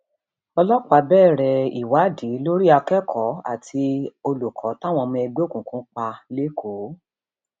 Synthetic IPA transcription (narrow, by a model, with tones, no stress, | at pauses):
ɔ˧lɔ˦k͡pa˧bɛː˦˨ɾɛ˨ḭ˨wa˨˦di˨˦lo˦ɾi˦a˧kɛ˦kʰɔ˨˦a̰˦˨tʰi˧o˧lu˨kʰɔ˨˦ta˦˨w̃ɔ̃˧mĩ˧ɛ˧ɡ͡bo˦˨kũ˨kũ˨˦k͡pa˧le˦kʰo˨˦